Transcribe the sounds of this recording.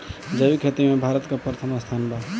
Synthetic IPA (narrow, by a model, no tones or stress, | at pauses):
d͡ʒəbikʰet̪imebʱaɾət̪kopɾət̪ʰəmast̪ʰanba